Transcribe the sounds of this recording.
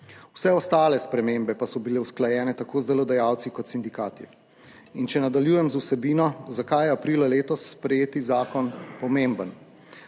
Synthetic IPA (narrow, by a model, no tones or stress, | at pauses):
wsɛɔst̪aːlɛspɾɛmembɛpasɔbilɛwsklajɛːnɛt̪akoːzd̪ɛlɔd̪ajaːwt̪sikɔt̪sind̪ikaːt̪i | int͡ʃɛnad̪aljuːjɛmzusɛbiːnɔzakajɛapɾiːlaleːt̪ɔsːpɾɛjeːt̪izaːkɔnpɔmembən